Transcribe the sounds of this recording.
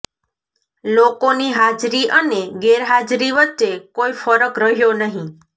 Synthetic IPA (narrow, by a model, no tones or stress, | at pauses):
lokoniɦad͡ʒɾiʔəneɡeɾɦad͡ʒɾiʋətːʃekoifəɾəkɾəɦjonəɦĩ